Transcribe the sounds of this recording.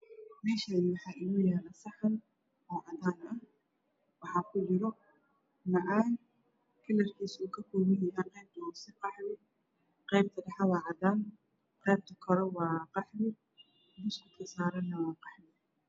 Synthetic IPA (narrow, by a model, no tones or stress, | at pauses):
mɛːʃaːðɪwɑħɑːʔɪɣʊjaːnɐsɐħɐn | ɔːʕɑd̪aːnɐ | wɑħɑːkʰʊd͡ʒɪɾɔ | nɐʔaːn | kʰɪlɐrkʰiːsuːkʰɐkʰɔːmɪjɐjaːqɛjb̚t̪ʰɐːsɪqɑħmɪ | qɛjbt̪ʰɐɖɐħɑwɑːʕɑd̪aːn | qɛjb̚t̪ʰɐkʰɔɾɔwɑːqɑħmɪ | d̪ʊskʰʊkkʰɐsaːɾɐnːɐwɑːqɑħmɪ